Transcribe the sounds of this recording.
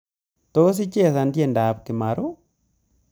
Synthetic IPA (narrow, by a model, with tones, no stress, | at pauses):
to˦s̬ɪ˦t͡ʃɛ˦˨sa˨ndjɛ˦˨nda˨p̚kɪ˨ma˨ɾʊ˦